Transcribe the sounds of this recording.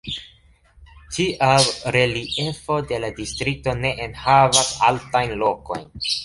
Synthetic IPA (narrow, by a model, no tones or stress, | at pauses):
tiʔawɾe̞lie̞fo̞de̞ladistɾik̚to̞ne̞ʔenhavasaltajnlo̞ko̞̰jn